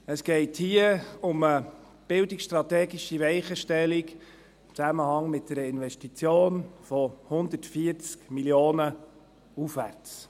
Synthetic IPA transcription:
əsɡ̥ɛɪthiəʊmə | b̥ɪldiksʃtɾɑtɛːɡiʃiʋɛɪχəʃtɛlik | ɪmt͡sæməhɑŋmɪt̚d̥ɛɾəɪnʋɛʃtit͡sjoːnfɔhʊnd̪ətfiəɾt͡skmiljoːnə | ufʋæɾt͡s

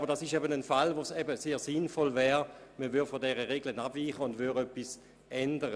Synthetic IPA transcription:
bɐʁd̥asɪʃɛbənənfalʋoːsɛbəseːɐsinfɔlvɛːʁməʋʏfɔdɛʁəʁeɡlənabviːχəʊndvyʁœpːis | ʔɛndəʁə

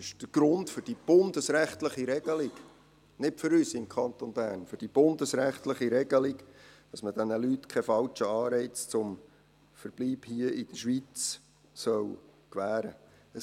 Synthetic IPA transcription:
ɪʃd̥əɡ̥ɾʊntfʏɾd̥ib̥ʊndəsɾæχtləχiɾɛɡ̥əlik | nɪtføɾyːsɪmkʰɑnt̪onbæːnfʏɾd̥ib̥ʊnd̪əsɾæχt̪ləχiɾɛɡəliɡd̥ɑsməd̥ɛnəlytkʰɛfɑlt͡ʃəɑːɾɛɪt͡st͡sʊm | fəɾb̥liːbhiəɪd̥əʃʋit͡s | sœwkʋæːɾə̰ | ə

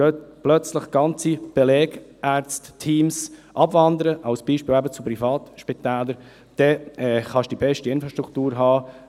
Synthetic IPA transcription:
øt̪plœt͡sləχɡ̥ɑnt͡sib̥elɛːɡ̥ʔæɾt͡sttʰiːmsʔɑbvɑnd̪əɾəʔɑʊsb̥iːʃpɪːlæbət͡supɾifɑːt̪ʃpit̪æːləɾ | d̥ɛɛχɑʃd̥ibɛʃtiɪnfɾɑʃt̪ɾukʰt̪uːɾɦɑː

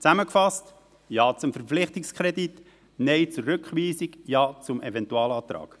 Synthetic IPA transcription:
t͡sæməkfɑst | jɑːt͡sʊmfəɾflɪχtikskχɾɛdit | nɛɪt͡suɾʏkχʋiːsikjɑːt͡sʊmɛvɛntuɑːlɑːt̪ɾɑ̰ːk

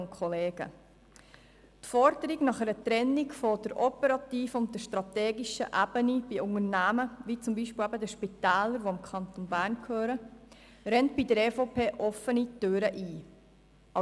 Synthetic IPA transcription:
nkʰχɔleːɡ̥ə̰ | t̪fɔɾdəɾiɡnɑχɛɾət̪ɾɛnːiɡfɔd̥əɾʔɔpəɾɑt̪iːfəʊnt̚ːəʃtɾɑt̪ɛːɡiʃə̰ʔæbənib̥iʊŋərnæːməʋit͡sʊmbiʃpiːlæbəd̪əʃpit̪æːləɾʋoɪmkʰɑnt̪onbæːɾnkʰhøːɾə | ɾɛnt̚bidəɾɛfopʰeːʔɔfːənit̪øɾəʔiː | ɑ

